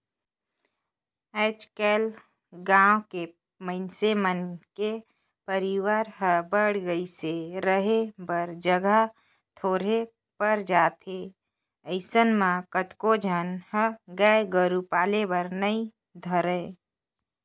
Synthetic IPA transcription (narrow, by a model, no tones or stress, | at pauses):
et͡ʃkeːl | ɡãːõke | məɪnsemənke | pəɾiwaːɾɦəbəɽɡəiseɾəɦebəɾd͡ʒəɡə | t̪ʰoːɾe | pəɾd͡ʒaːt̪e | əɪsənmãkət̪kod͡ʒʱənhəɡəeɡəɾupaːlebəɾnəĩ | d̪ʱəɾə